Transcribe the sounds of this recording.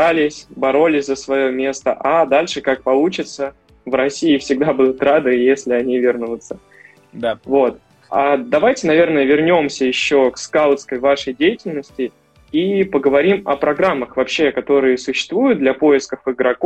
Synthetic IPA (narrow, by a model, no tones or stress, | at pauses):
alʲɪsʲbɐɾo̞lʲɪsʲzəsvɐjo̞mʲe̞st̪əʔad̪alʲʂɨkak̚pɐlˠut͡ɕɪt̪sə | vɾɐsʲijɪfsʲɪɡd̪abud̪ʊt̪rad̪ɨjesʲlʲɪɐnʲivʲɪrnʊʊt̪sə | vo̞t̪ | ad̪ɐvajtʲɪnɐvʲe̞rnəjəvʲɪrnʲo̞msʲəjɪɕːo̞kskalˠt̪skəjvaʂəjdʲejɪtʲɪlʲnəsʲtʲɪ | ipəɡəvɐɾʲimɐpɾɐɡɾamːəxvɐpɕːe̞kɐt̪o̞ɾɨjəsʊɕːɪ̥st̪vujʊt̪d̪lʲɐpo̞jɪskəfɨɡɾɐko